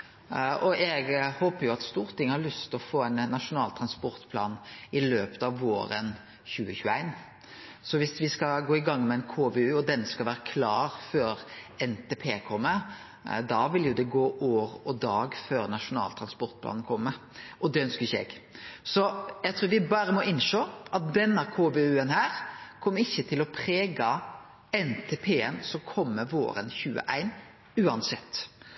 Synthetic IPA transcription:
ʔɔɛɡhoːpəjʊɑt̪st̪uːɾt̪ʰɪŋːəhɑɾɭʉst̪ɔfoːæɪnnːɑʂʊnɑːlt̪ʰɾɑnspɔɾt̪pʰlɑ̰ːnɪløːpə̥t̪ɑʋːoːɾə̰n | çʉːəçʉːæɪn | sɔʋɪsʋɪskɑɡoːɪɡɑŋːmɛɛɪnkʰoːʋeʉːɔd̪ɛnskɑlʋæːɾəkʰlɑːɾføːɾ | ɛnt̪ʰeːpʰeːkʰɔmːə | d̪ɑʋɪljʊd̪ɛɡoːʔoːɾɔd̪ɑːɡføːɾnɑʂʊnɑ̰ːlt̪ʰɾɑnspɔɾt̪̚bʰlɑ̰ːnn̩kʰɔmːə | ʔɔd̪ɛœnskəɾɪçɛ̰ɡsɔjæt̪ɾʉːɾʋɪbɑːɾəmɔʔɪnʂoːʔɑt̪̚d̪ɛnːɑkʰoːbeʉːənhæːɾkʰɔmːɾɪçːət̪ʰɪlɔpʰɾeːɡɑ | ɛnt̪ʰeːpʰeːɛnsɔkʰɔmːəʋo̰ːɾə̰nçʉːə̰ʔæɪn | ʉːɑnsɛt̪ː

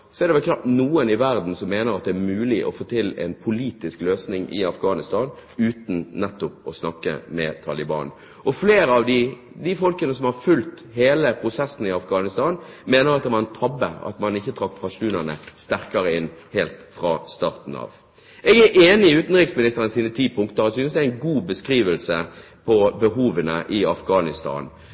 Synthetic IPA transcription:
sɔɛɾd̪ɛʋɛlkʰlɑːt̪nuːənɪʋæɾd̪n̩sɔmːeːnəɾɑt̪̚d̪ɛæɾmʉːlɪʔɔ̰foːt̪ʰɪlɛ̰npʰʊliːt̪ɪskløːsnɪŋʔɪ̰ɑfɡɑːnɪst̪ɑːnʉːt̪n̩nɛt̪ːʊpɔsnɑkːə̰mɛ̰t̪ʰɑːlɪbɑ̰ːn | ʔɔfleːɾəɑʋd̪ɪ | d̪ɪfɔlkənəsɔmhɑɾfʉlt̪heːləpʰɾʊsɛsːn̩ɪɑfɡɑːnɪst̪ɑːn | meːnəɾɑt̪̚d̪ɛʋɑɾɛnt̪ʰɑbːə̰ɑ̰t̪mɑnɪçːət̪ʰɾɑkːpʰɑʂuːnənə̰st̪æɾkɑɾəɪnːheːlt̪fɾɑ̰ːst̪ɑːʁt̪n̩ɑ̰ːʋ | ɛɡæʔeːnɪʉːt̪n̩ɾɪksmɪnɪst̪əɾənsiːnət̪ʰiːpʰʊŋkt̪əɾɔsʏnsd̪ɛæɪnɡuːbəskɾiːʋəlsə | pʰɔbəɦuːʋənə̰ʔɪɑfɡɑːnɪst̪ɑ̰ːn

